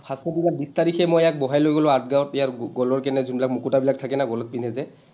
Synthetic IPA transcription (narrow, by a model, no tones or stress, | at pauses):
pʰaskɔdikabistaɹikʰɛmɔjɛak̚bɔɦajlojɡɔlɔʊat̚ɡaɔtɛjaɹɡɔlɔɹkɛnɛzunbilak̚mukutabilak̚tʰakɛnaɡɔlɔt̚pinɛzɛ